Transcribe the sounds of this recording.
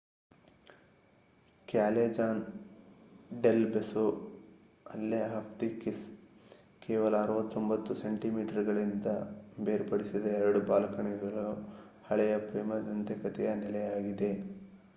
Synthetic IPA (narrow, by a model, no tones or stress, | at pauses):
kaːled͡ʒaːn | ɖelbeso | ɐlːeɐɦɐpt̪ikis | keːʋɐlɐːɾuʋɐt̪ːo̞mbɐt̪ːuseɳʈimiːʈɐɾɡɐɭind̪ɐbeːɾpɐɽisid̪ɐɛɾɐɽubaːlɐkɐɳɛɡɐɭuu | hɐɭɛjɐpɾiːmɐd̪ɐnt̪ɛkɐt̪ɛjɐnɛlɛjaːɡid̪e